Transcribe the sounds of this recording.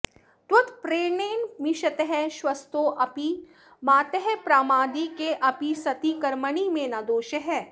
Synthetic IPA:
t̪wɐt̪pɾeːneːnmiʃɐt̪eɦɛʃwɐst̪oːʔɐpi | maːt̪eɦɛpɾaːmaːd̪ikeʔɐpisɐt̪ikɐɾmɐnimẽnad̪oːʃɐɦɛː

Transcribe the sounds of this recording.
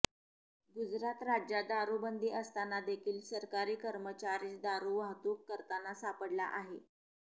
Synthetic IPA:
ɡud͡zɾat̪ɾad͡ʑjad̪aɾubənd̪ʱiːəst̪anad̪ekʰiːlsəɾkaɾiːkəɾmət͡ɕaɾiːt͡sd̪aɾuʋaɦt̪uːkːəɾt̪anasapəɽla̰ʔaɦe

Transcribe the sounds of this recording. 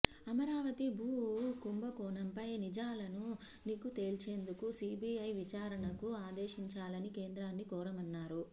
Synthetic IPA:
ɐmɐɾaːʋɐt̪ibʱuːkumbɐkɔːnɐmpɐjnid͡ʒaːlɐnu | niːkut̪e̞ːlt͡ʃe̞ːnd̪ukusiːbiɐjʋit͡ʃaːɾɐɳɐkuaːd̪eːʃiɲt͡ʃaːlɐnikeːnd̪ɾaːnːikɔːɾɐmɐnːaːɾu

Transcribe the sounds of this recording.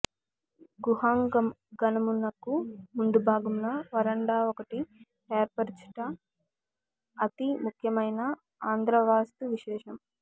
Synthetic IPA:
ɡuɦaːŋɡɐm | ɡɐnɐmunːɐkːumund̪ubʱaːɡɐmnɐʋɐɾɐɳɖaːɔkɐʈi | t̪eːɾpɐɾt͡ʃu̥ʈɐ | t̪imukʰjɐmɐjnɐ | aːnd̪ʱɾɐʋaːst̪uʋiʃɛːʂɐm

